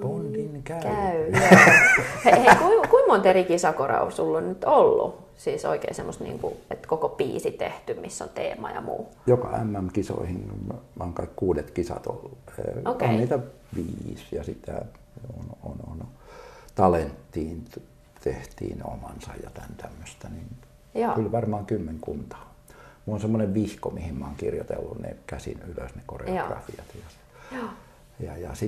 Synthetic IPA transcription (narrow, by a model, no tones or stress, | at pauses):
pondinkækæy | eikuikuimmont̪erikisɑkorɑ̰usulːonnyt̪olːṵ | siːso̰ikḛisemːost̪nḭːŋkṵet̪kokopiːsit̪eht̪ymmisːo̰nt̪ḛːmɑjɑ̰mṵːjokɑæmːæmkiso̰ihinɑŋkɑikkuːdet̪kisɑ̰t̪olːeokonniːt̪æ | ʋiːsjɑsit̪æ̰ | ononont̪ɑlent̪ːiːn | t̪eht̪ḭːno̰mɑnsɑjjɑt̪ænt̪æmːøst̪ænin | kylʋɑrmɑːŋkymːeŋkunt̪ɑ̥ː | muonsemːoneʋʋihkomihimmɑoŋkirjot̪ḛlːunnḛkæsḭnyløsnekorḛrɑfiɑt̪jɑ | jɑjɑsi